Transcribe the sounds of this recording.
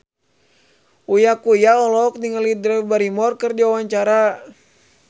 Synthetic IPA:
ujakujaɔlɔk̚niŋəlidɾɛbaɾimɔrkərdiawaɲt͡ʃaɾa

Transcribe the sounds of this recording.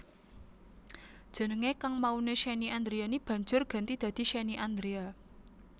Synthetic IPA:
d̥ʒ̥ə̤nəŋekaŋmauneʃeniand̪ɾeanib̥a̤ɲd͡ʒʊrɡ̥a̤nt̪id̪̥ä̤d̪̥i̤ʃeniʔand̪ɾea

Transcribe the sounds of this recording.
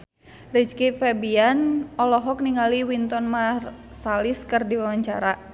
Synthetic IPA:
rit͡ʃkifɛbianɔlɔɦɔk̚niŋaliwint̪ɔnmar | saliskɨrdiwawaɲt͡ʃa̰ɾa

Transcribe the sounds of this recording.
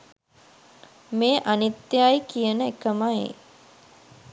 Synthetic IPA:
meːʔanit̪ːeajkijənəekəmaḛ

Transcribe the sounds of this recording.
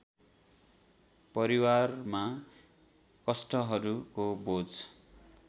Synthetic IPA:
pʌɾiwarma | kʌsʈʌɦʌɾukobod͡z

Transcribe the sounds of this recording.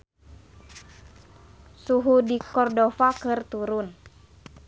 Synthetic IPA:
suɦudikɔrdɔfakɨrt̪uɾʊn

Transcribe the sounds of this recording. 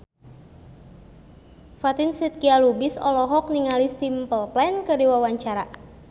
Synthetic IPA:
fat̪insit̪̚kialubisɔ̰lɔɦɔk̚niŋalisimpəlplɛnkərdiwawaɲt͡ʃaɾa

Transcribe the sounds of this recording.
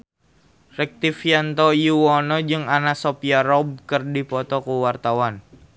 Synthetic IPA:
rɛk̚t̪ifiant̪ɔjuwɔnɔd͡ʒɨŋanasɔpiaɾɔb̚kərdipɔt̪ɔkuwart̪awan

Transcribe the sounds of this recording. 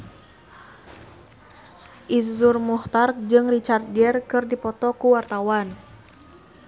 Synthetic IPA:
ʔizurmuht̪ard͡ʒɨŋrit͡ʃard͡ʒɛrkɨrdipɔt̪ɔkuwart̪awan

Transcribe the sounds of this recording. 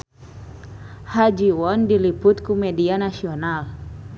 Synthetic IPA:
had͡ʒiwɔndiliput̪kumɛdianasiɔnal

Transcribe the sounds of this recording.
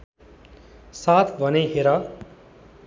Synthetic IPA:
saːt̪ʰbʱʌneɦeɾa

